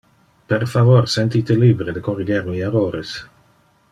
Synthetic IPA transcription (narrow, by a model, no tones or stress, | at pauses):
peɾfavoɾsent̪it̪eliːbɾed̪ekoriɡeɾmiaroːɾes